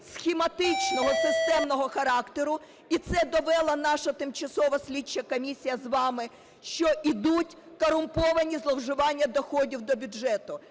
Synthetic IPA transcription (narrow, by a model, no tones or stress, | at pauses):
sxʲemɐt̪ɪt͡ʃnɔɦɔsɪst̪ɛmnɔɦɔxɐɾɑkt̪eɾʊ | it̪sɛd̪ɔʋɛlˠɐnɑʃɐt̪ɪmt͡ʃɐsɔʋɐsʲlʲit͡ʃːɐkɔmʲisʲijɐzʋɑmɪ | ʃt͡ʃɔʔid̪utʲ | kɔɾʊmpɔʋɐnʲizlˠɔwʒʊʋɑnʲːɐd̪ɔxɔdʲiwd̪ɔbʲʊʒɛt̪ʊ